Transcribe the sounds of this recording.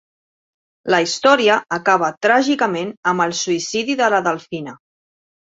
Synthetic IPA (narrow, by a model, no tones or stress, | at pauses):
ləist̪ɔɾiəːkaβ̞ət̪ɾaʒikəmenəmbəlˠsuisiðiðələðəlˠfinə